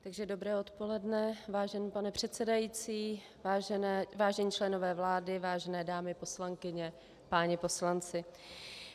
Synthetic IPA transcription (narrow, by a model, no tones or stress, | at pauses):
t̪aɡʒɛdo̞bɾɛːot̪po̞lɛdnɛvaːʒɛnːpanɛpr̝̥ɛt̪sɛdajiːt͡siː | vaːʒɛnɛːvaːʒɛɲiːt͡ʃlɛno̞vɛːvlaːdɪvaːʒɛnɛːdaːmɪpo̞slaŋkɪɲɛ | paːɲɪpo̞slant͡sɪ